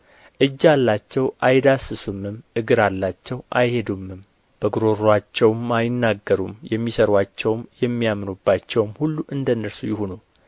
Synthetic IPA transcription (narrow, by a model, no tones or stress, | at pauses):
ʔɨd͡ʒːalːat͡ʃːɛwʔajd̪asɨsumːɨmʔɨɡɨɾalːat͡ʃːɛwʔajhe̞d̪umːɨm | b̥əɡɾo̞ɾat͡ʃːɛwmːajɪnːaɡːəɾumjɛmːisəɾwat͡ʃːɛwmjɛmːijamnubːat͡ʃːɛwmhulːuʔɨnd̪ənːəɾsujɪhonu